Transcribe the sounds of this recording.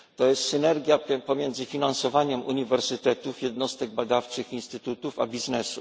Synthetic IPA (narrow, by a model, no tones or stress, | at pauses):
t̪ɔjɛst̪sɘnɛɾɡʲjapɔmʲjɛnd̪zɘfʲinansɔvaɲɛmʔuɲivɛɾsɘt̪ɛt̪ufjɛd̪nɔst̪ɛɡ̚bad̪aft͡ʂɘxinst̪ɘt̪ut̪ufa̰bʲiznɛsu